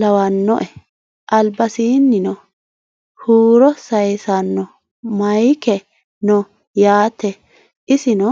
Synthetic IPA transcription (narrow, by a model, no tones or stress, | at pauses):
lɐwɐnːɔʔɛ | ʔɐlbɐsiːnːɪnɔ | huːɾɔsɐjsanːɔ | mɐjkɛ | nɔ | jaːt̪ːɛ | ʔɪsɪnɔ